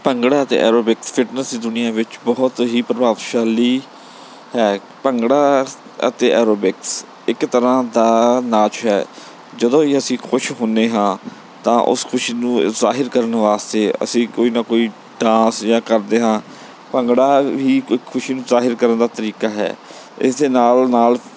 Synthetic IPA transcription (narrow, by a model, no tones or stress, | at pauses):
pəŋɡɽaːət̪ḛːʔɛ̰ːɾoːbɪkspʰɪʈnəsd̪iːd̪ʊnɪjãːʋɪt͡ʃbɔːt̪ɦiːpɾəbaːʋʃaːliː | hɛː | pəŋɡɽaː | ə̰t̪eːʔɛːɾoːbɪks | ɪkt̪əɾãːd̪aːnãːt͡ʃɦɛː | d͡ʒəd̪õːiːəsĩːkʰʊʃɦõːneːɦãː | t̪ãːʔʊ̰skʰʊʃiːnũːzaːɦɪɾkəɾənʋaːst̪eːə̰sĩːkoːiːnaːkoːiː | ɖãːsjãːkəɾd̪eːɦãː | pəŋɡɽaːʋiːkʰʊʃiːnũːzaːɦɪɾkəɾənd̪aːt̪əɾiːkaːɦɛ̰ː | ɪ̰sd̪eːnaːlnaːl